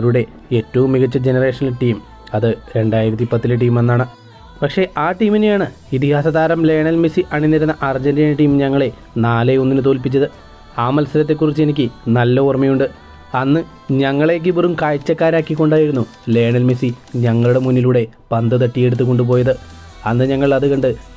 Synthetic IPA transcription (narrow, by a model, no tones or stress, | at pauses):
ɾuɽe̞ | etːɐʋumːiɣɐt͡ɕːɐd͡ʑe̞nɐre̞ːʂɐnɐlʈiːm | ɐðɨɾe̞ɳɖaːjiɾɐt̪̬ːipɐt̪ːilɨʈ̬iːmenːaːɳɨ | pɐkʂe̞ʔaːʈiːminejaːɳɨ | it̪ihaːsɐðaːɾɐmle̞ːɳɐlmisiʔɐɳinːɐɾɐnɐʔɐrd͡ʑɐndijɐnʈiːmɲɐŋːɐɭe̞ | naːleo̞nːinɨt̪̬o̞ːlpit͡ɕːɐðɨ | aːmɐlsɐɾɐt̪̬ːe̞kːurit͡ɕːɨenikʲːɨnɐlːɐormɐjuɳɖɨ | ɐnːɨ | ɲɐŋːɐɭe̞k̬ːɨpurumkaːjt͡ɕːɐkːaːɾaːkːikːo̞ɳɖaːjiɾunːu | le̞ːɳɐlmisiɲɐŋːɐɭuɽe̞munːiluɽe̞ | pɐnd̪ɨt̪̬ɐʈːije̞ɽut̪ːukːo̞ɳɖup̬oːjɐðɨ | ɐnːɨɲɐŋːɐɭɐðɨkɐɳɖɨ